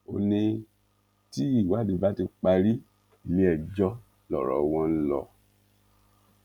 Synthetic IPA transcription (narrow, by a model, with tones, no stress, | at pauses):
o˧nĩ˧ | ti˦i˦˨wa˦di˧˦ba˦ti˧k͡pa˧ɾi˦ | i˨lĩ˦ɛ˦˨d͡ʒɔ˦ | lɔ̰˨ɾɔ̰˨w̃ɔ̃˦n̩˦lɔ̰˧